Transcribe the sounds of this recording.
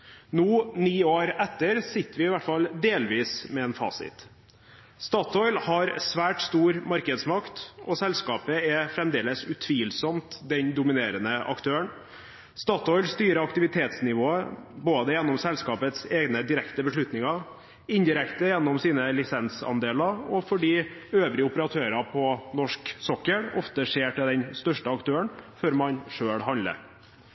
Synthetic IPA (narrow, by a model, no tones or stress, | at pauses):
nuːniːoːɾɛt̪ːəɾsɪt̪ːəʋɪɪʋæʈːfɑld̪eːlʋiːsmɛɛːnfɑ̰ːsɪ̰t̪ | st̪ɑːt̪ʰɔʏlhɑɾsʋæːʈst̪uːɾmɑɾkəd̪smɑkt̪ʔɔsɛlskɑːpəɛfɾɛmd̪eːləsʉt̪ʰʋiːlsɔmt̪d̪ɛnd̪ʊmɪneːɾənəʔɑ̰kt̪ʰøːəɳ | st̪ɑːt̪ɔʏlst̪yːɾəɑkt̪ɪʋɪt̪ʰeːt̪snɪʋoːəboːd̪əjɛnːɔmsɛlskɑːpət̪seːɡnəd̪ɪɾɛkt̪əbəʂɭʉt̪nɪŋɑɾ | ɪnd̪ɪɾɛkt̪əjɛnːɔmsiːnəlɪsɛnsɑ̰nd̪eːlɑɾɔfɔɖiːøːʋɾɪəʊpəɾɑt̪ʰøːɾɑpʰɔnɔʂksɔkːəɳɔ̰ft̪əʂeːʈɪld̪ɛnst̪œʂʈəɑkt̪ʰøːəɳføɾmɑnʂøːɭɦɑnlə̰